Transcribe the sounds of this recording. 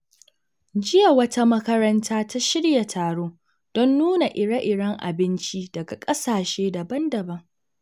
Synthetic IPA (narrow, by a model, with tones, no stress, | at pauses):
d͡ʒɪ˦ja˨wɐ˦ta˦mɐ˦kɐ˦ɾɐ˦ntʰaː˦ta˦ʃɪ˦ɽja˨tʰaː˨ɽoː˦ | d̥ɔ˦nːuː˦na˨ʔɪ˨ɽa˦ʔɪ˨ɽɐ˦ŋʔa̰˨bɪ˦nt͡ʃi˦dɐ˨ɡa˨kʼɐ˦saː˨ʃeː˦dɐ˨bɐ˦ndɐ˨bɐ˦ŋ